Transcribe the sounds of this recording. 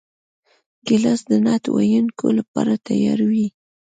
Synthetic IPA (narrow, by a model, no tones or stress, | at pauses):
ɡɪlasd̪ənɑt̪wa̰jankolapaɾat̪ajɑɾwi